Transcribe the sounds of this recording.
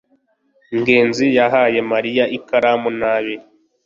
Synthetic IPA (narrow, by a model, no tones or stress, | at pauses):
ŋɡeːnzijaɦaːje̞maɾijaʔikaɾamunaβi